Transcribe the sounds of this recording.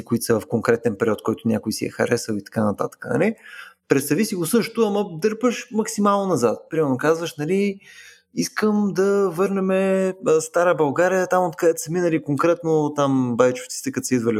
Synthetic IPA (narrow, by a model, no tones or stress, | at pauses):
ikʊit̪səvɐfkoŋkɾɛt̪ɛnpɛɾʲiɔt̪kɔjt̪ʊnʲakʊisiɛ̰xɐɾɛsəlˠit̪ɐ̥kanɐt̪a̰t̪ə̥kənɐ̰lipɾɛt̪st̪ɐvisiɡʊsɤʃt̪ʊaməd̪ɤɾpəʃmɐksimalˠnonɐzat̪̚pɾimɛɾnokazvəʃnɐli | iskəmd̪ɐvɤɾnɛmɛəst̪aɾəbɐlˠɡaɾijət̪amot̪kɐd̪ɛt̪səminɐlikoŋkɾɛt̪not̪ambajit͡ʃo̥ft̪si̥t̪ɛkət̪sid̪vəli